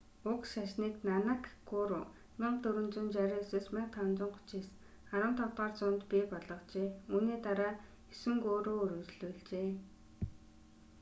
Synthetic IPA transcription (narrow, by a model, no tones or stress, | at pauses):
ʊkʃaʃniːknanə̆kɡʊɾʊː | mɪɴt̪ɵɾɵ̆nt͡sʊ̆nt͡ɕaɾʲiːseːsmaɴ̚t̪ʰawnt͡sɪ̆ɴχʊ̥t͡ɕiːs | χaɾə̆mt̪ʰɔt̪aːrt͡sʊnt̪piːpɔɮɞ̆qt͡ɕeːuːniːt̪aɾaː | esɘ̆ŋkoːɾoːɾut͡ɕɮujɮt͡ɕeː